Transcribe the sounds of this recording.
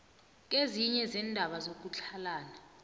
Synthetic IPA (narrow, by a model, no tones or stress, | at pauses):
k̬eziɲɛzɛndʱaɓazok̬ut͡ɬʰalaːna